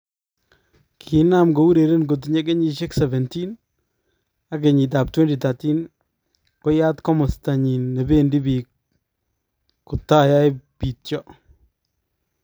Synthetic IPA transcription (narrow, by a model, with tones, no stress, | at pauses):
kʰi˨˦na˦˨mɡo˨u˦ɾe˨ɾe˦nɡ̬o˨t̬ɲe˦k̬ɛ˦ɲi˨ʃe˦ksɛ˨vɛ˨nti˦n | a˦k̬e˨ɲi˨t̬a˨p̚twe˦ndi˨ta˨ti˦n | ko˦ja˦tkɔ˦mɔ˨sta˨ɲi˨nːe˨be˦ndi˦bi˨ | kʊ˨ta˦˨ja˦jpi˨tt͡ʃɔ˦